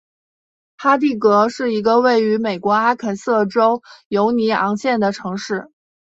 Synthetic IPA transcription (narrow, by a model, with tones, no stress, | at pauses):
xa˥t̪̬i˥˩kɤ˧˥ʂɻ̩˥˩i˧˥ɡə˧we˥˩ɪy˧˥me˨˩ɪkwɔ˧˥a˥kʰə˨˩sɤ˥˩ʈ͡ʂo˥ʊjo˧˥ʊni˧˥ɑ̰˧˥ŋɕjɛ˥˩nd̪ə˩ʈ͡ʂʰɤ˧˥ŋʂɻ̩˥˩